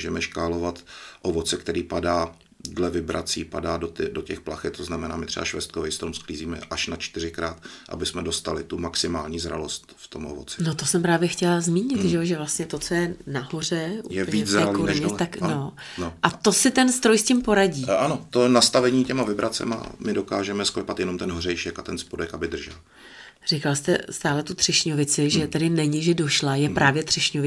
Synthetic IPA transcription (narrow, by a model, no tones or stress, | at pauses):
ʒɛmɛʃkaːlo̞vat̪ʔovo̞t͡sɛkt̪ɛɾiːpadaː | dlɛvɪbɾʔa̰t͡siːpa̰daːdot̪ɪdocɛxplaxɛt̪̚t̪ːoznamɛna̰ːmɪt̪r̥ɛ̰ba̰ʃvɛst̪̚kovɛjst̪ɾomskliːziːmɛʔaʃnat͡ʃt̪ɪrɪkɾaːt̪ʔa̰bɪsmɛdost̪alɪt̪umaksɪmaːlɲiːzɾa̰lo̞st̪ft̪o̞mʔovot͡sɪ̥no̞t̪osɛmpɾaːvjɛxcɛlazmiːɲɪt̪ʒɛjoʒɛvlast̪ɲɛt̪o̞t͡so̞jɛnaɦo̞r̝ɛʔujɛvizɛːalkoɾnɲɛt̪akno̞ | ʔat̪o̞sɪt̪ɛnst̪ɾo̞jscɪmpo̞ɾaɟiːʔanot̪ojɛnast̪avɛɲiːcɛmavɪbɾat͡sɛ̰ma̰mɪdo̞kaːʒɛmɛsklɛpat̪jɛnomt̪ɛnɦorɛjʃɛkat̪ɛnspodɛkabɪd̪r̩ʒɛ̰l | r̥ɪkalst̪ɛst̪aːlɛt̪ut̪r̝̥ɪʃɲo̞vɪt͡sɪʒɛt̪ɛdɪnɛɲɪʒɛdo̞ʃlajɛpɾaːvjɛt̪r̥ɛʃɲovɪ